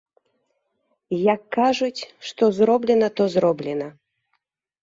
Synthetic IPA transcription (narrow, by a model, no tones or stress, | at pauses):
jɐkːaʐut͡sʲʂt̪ɔzrɔblʲɛnɐt̪ɔzrɔblʲɛnɐ